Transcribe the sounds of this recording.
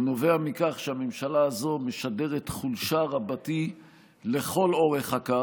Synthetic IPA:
no̞ve̞amikaχʃeamemʃalaːzo̞me̞ʃade̞ʁetχulʃaʁabati | le̞χo̞lo̞ʁeχhaka

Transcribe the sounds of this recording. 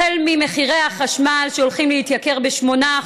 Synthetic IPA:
elmimeχiʁehaχaʃmalʃeolχimleit̪jake̞ʁbeʃmo̞na

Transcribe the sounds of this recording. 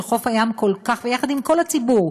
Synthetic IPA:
χo̞fajamko̞lkaχvejaχad̪imko̞lhat͡sibuʁ

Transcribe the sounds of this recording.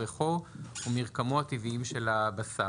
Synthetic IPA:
eχoumiʁkamoat̪iviimʃe̞labasa

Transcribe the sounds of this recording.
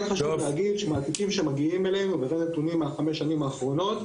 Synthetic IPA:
nχaʃuvleaɡid̪ʃemaːt̪ikimʃemaɡiimelenuveʁenet̪unimːaaχameʃːanimaːχʁo̞no̞t̪

